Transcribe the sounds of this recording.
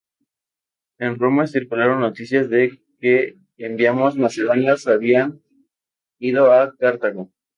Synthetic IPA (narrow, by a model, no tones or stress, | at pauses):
enromaesiɾkulaɾo̞nːo̞t̪isjazðe̞ | keː | mbjamo̞zmase̞ðonjasaβian | iðo̞akaɾt̪aɣo